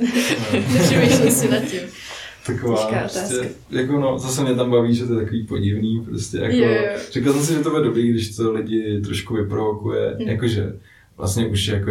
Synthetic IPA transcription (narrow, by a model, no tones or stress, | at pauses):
t̪akovaːpɾostɛ | jakonozasɛmɲɛt̪ambaviːʒɛt̪ojɛt̪akoviːpo̞ɟɪvniːpɾoscɛ̰ja̰kor̥ɪklasɛms̬ɪʒɛt̪obudɛdobɾiːɡdɪʃt̪olɪɟɪt̪ɾo̞ʃkuvɪpɾovokujɛ̰jakoʒɛ̰ | vla̰stɲɛʔuʃjako